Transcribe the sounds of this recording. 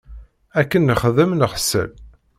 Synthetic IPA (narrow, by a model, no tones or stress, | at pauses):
ækːənːəχðəmnəʁsə̰l